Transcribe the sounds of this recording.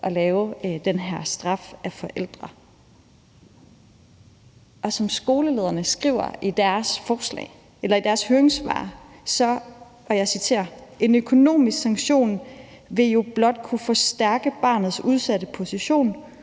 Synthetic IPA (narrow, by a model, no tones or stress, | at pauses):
ʔɒ̽lɛːʊd̥enɦæɐ̰sd̥ʁɑ̈fæfɒ̽ʔel̰d̥ʁɐ | ʔɒ̽sɒ̽msɡ̥o̝ːləle̝ːðˠɐnəsɡ̥ʁḭːʊ̰ɐ̰ʔid̥æɐsfɒːslɛ̰ːɪ | elɐid̥æɐshøːɐeŋsʋɑ̰̈ːsɒ̽ | ʋɒjɑ̈ɪsit͡sʰe̝̰ːɐe̝nøkʰo̝no̝̰ːmisɡ̥sɑ̈ŋɕo̝̰ːn | ʋe̝jo̝b̥lɒ̽d̥̚kʰufɒ̽sd̥æɐɡ̥əb̥ɑ̰̈ːnð̩ˠsuð̞ˠsædəpʰo̝siɕo̝̰ːn